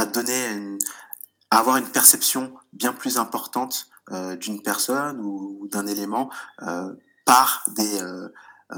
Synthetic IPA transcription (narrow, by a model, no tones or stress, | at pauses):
ad̪ɔnen | aːvwaʁynpɛʁsɛpsjɔ̃bjɛ̃plyzɛ̃pɔʁt̪ɑ̃t̪ | ød̪ynpɛʁsɔnud̪ɛ̃nelemɑ̃ø̰ | paʁd̪eø